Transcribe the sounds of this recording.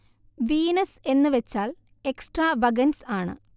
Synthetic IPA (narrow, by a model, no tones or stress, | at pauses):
ʋiːnɐse̞nːɨʋet͡ɕːaːl | e̞ksʈraːʋɐɡɐnsaːɳɨ̰